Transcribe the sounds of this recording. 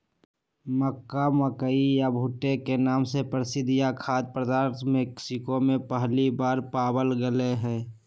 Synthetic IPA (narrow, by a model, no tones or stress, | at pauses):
məkːaməkəijabʱuʈekenaːmsepɾɪsɪd̪ɪjakʰaːd̪̚pɾəd̪aːɾt̪ʰmɛksɪkomẽpəɦlibaːɾpaːbəlɡəleɦɛ̃ː